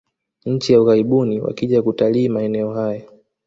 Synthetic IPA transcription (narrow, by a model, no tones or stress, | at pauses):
ɲ̩t͡ʃijauɣaɾiɓuniwa̰kiʄakutaliːmaɛnɛɔɦaja